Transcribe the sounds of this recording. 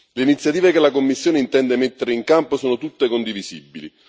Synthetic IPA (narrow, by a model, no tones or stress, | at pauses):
leinit̪sjat̪iːvekelakomːisːjoːneint̪ɛnd̪emet̪ːeɾeiŋkamposoːnot̪ut̪ːekond̪ivizibːili